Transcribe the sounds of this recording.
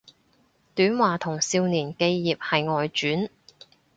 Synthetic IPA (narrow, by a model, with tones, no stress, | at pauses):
t̪yː˨˥nwaː˨t̪ʰʊ˨˩ŋsiː˧wniː˨˩nke˧jːiː˨p̚hɐ˨jŋɔː˨jt͡ʃyː˨˥n